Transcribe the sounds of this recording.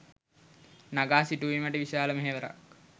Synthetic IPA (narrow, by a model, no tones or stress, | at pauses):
naɡaːsiʈuʋiməʈəʋiʃaːləmeɦeʋəɾa̰k̚